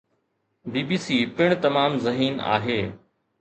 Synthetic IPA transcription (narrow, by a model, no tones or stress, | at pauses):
biːbiːsiːpɪɽ̃t̪ɐmaːmzɐɦiːna̰ːɦeː